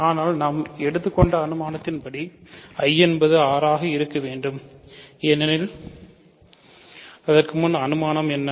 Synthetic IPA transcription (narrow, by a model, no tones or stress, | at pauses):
aːnaːlnaːmɛɽɯt̪ːɯkːɔɳɖɐːnɯmaːnɐt̪ːɪnpɐɽiɐjɛnbɐðɯaːɾaːɣɐɪɾɯkːɐʋeːɳɖɯm | ɛnːɐnɪl | ɐðɐrkɯmʊnɐɐnɯmaːnɐmɛnːɐ